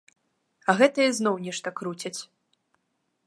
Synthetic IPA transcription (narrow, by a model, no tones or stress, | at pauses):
ɐɣɛt̪ɨjɐznɔwnʲɛʂt̪ɐkɾut͡sʲɐt͡sʲ